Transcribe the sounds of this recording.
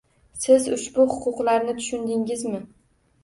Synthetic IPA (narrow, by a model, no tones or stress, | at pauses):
sɪzʊʃbʊhʊqʰʊqlaɾnɪt̪ʰʊ̥ʃʊnd̪ɪŋɪzmɪ